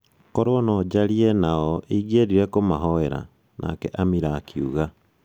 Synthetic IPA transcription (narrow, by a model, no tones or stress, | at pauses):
koɾonɔd͡ʒaɾienaɔʔiɣeɾiɾɛkomaɦɔeɾa̰ | nʔa̰kɛʔamiɾakiṵɣa